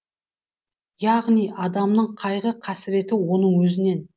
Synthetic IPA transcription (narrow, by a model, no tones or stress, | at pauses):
jɑʁnijʔɑd̪ɑmnəɴqʰɑjʁəqʰɑsɪɾe̞t̪ɪwo̞nəɴwɵzɪne̞n